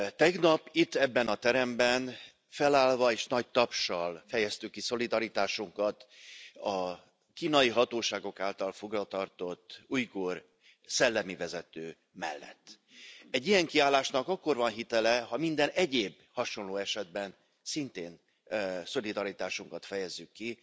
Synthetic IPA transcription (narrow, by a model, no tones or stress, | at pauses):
t̪ɛɡnɒpit̪ːɛbːɛnɒt̪ɛɾɛmbɛn | fɛlaːlvɒeːʃnɒɟ̚t̪ɒpʃɒlfɛjɛst̪ykːiso̞lid̪ɒɾit̪aːʃuŋkɒt̪ɒ | kiːnɒiɦɒt̪oːʃaːɡo̞kaːlt̪ɒlfo̞ɡrɒt̪ɒrt̪o̞t̪ːuːjkoːr | sɛlːɛmivɛzɛt̪øː | mɛ̰lːɛ̰t̪ː | ɛɟːijɛŋkiaːlːaːʃnɒkɒkːo̞rvɒnɦit̪ɛlɛɦɒmind̪ɛnɛɟeːb | hɒʃo̞nloːɛʃɛd̪̚bɛn | sint̪eːn | so̞lid̪ɒɾit̪aːʃuŋkɒt̪fɛjɛzːykːi